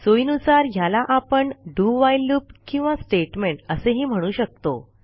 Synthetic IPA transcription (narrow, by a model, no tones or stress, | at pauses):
soinusaɾjalaʔapəɳɖuːʋajlupkĩw̃ʋasʈeʈmeɳʈəseɦim̤əɽ̃uːɕək̚t̪o̰